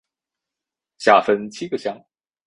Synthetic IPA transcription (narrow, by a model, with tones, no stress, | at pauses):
ɕja˨˩fə˧˥nt͡ɕʰi˥ɡə˧˨ɕjɑ˥ŋ